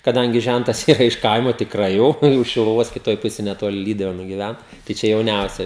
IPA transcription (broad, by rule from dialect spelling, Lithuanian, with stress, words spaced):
kɐˈdɐŋʲɡʲɪ ˈʒʲæntɐs ˈiːrɐ ɪʃ ˈkɐɪmoː tʲɪkˈrɐɪ jɛʊ ʊʃ ʃʲɪlˠʊˈʋoːs kʲɪˈtoːj ˈpʊsʲeːj nʲɛˈtoːlʲɪ ˈlʲiːdʊʋʲeːnʊ ɡʲɪˈʋʲæn tɐɪ ˈt͡ʃʲɛ jɛʊˈnʲɛʊsʲɛ